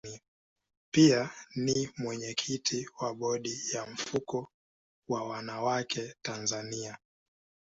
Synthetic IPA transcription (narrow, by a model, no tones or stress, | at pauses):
i | pianimwɛɲɛkʰitʰiwaɓɔɗijaɱ̩fukɔ | wawanawakʰɛtanzania